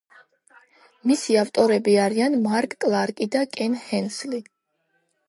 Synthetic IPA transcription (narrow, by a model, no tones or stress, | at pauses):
misiaft̪ʼɔɾɛbiaɾianmaɾkʼːlˠaɾkʼid̪akʼɛnhɛnsli